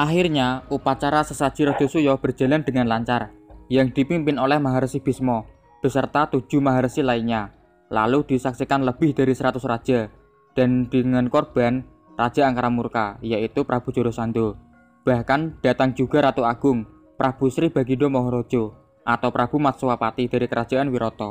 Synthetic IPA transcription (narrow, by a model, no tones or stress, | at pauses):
ʔaxirɲaupat͡ʃaɾasəsad̥ʒ̥iɾɔd̥d͡ʒ̥ɔ̤sujɔb̥ər̥ʒ̥a̤land̥əŋanlaɲt͡ʃarjəŋd̪̥i̤pimpɪnolɛhmaɦaɾəsib̥ismɔ | b̥əsərt̪at̪u̥ʒ̥ṳmaɦaɾəsilaiɲa | la̰lud̪̥i̤saksikanləb̥ɪhd̥a̤ɾisəɾat̪ʊsrad̥d͡ʒ̥a̤ | d̥a̤nd̪̥ə̤ŋankɔrb̥an | rad̥ʒ̥a̤aŋkaɾamurka̰jait̪upɾab̥ṳ̥d͡ʒ̥o̤ɾosand̪o | b̥a̤hkand̥a̤t̪aŋd͡ʒ̥uɡ̥a̤ɾat̪uaɡ̥ʊŋ | pʔab̥ṳsɾɪb̥a̤ɡidɔmɔɦɔɾɔd̥ʒ̥o | ʔat̪awpɾab̥ṳmat̪̚suwapat̪id̥a̤ɾikəɾad̥d͡ʒ̥a̤ʔanwiɾɔt̪ɔ